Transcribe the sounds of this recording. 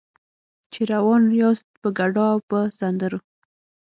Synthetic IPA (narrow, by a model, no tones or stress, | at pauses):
t͡ʃeɾawɑnɾjɑst̪̚pəɡaɖɑawpəsand̪əɾo